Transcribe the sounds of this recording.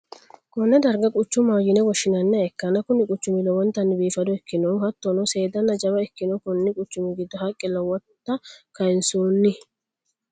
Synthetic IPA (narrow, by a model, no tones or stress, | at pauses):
kʼɔnːɛd̪ɐɾɡɐkʼʊt͡ʃːʊmaːjɪnɛwɔʃɪnɐnːɛɛkːɐnɐkʊnɪkʼʊt͡ʃːʊmɪlɔwɔnt̪ːɐnːɪbiːfɐd̪ɔɛkːɪnɔhɐt̪ːɔnɔse̞ːd̪ɐnːɐd͡ʒɐbɐɛkːɪnɔkʊnːɪkʼʊt͡ʃːʊmɪɡɪd̪ːɔhɐkʼːɪlɐwɔːɐkɐɪnsoːnːɪ